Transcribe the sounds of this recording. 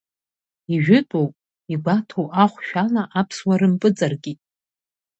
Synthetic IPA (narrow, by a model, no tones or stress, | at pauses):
iʒᶣɪtʼowpʼ | iɡʷatʰowʔaχʷʃᶣalaʔapʰswaɾɨmpʼɨd͡zʼarɡʲitʼ